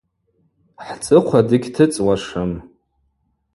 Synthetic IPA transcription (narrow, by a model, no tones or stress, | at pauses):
ħt͡sʼɨqʷʰadɨɡʲtʰɨt͡sʼwaʂɨm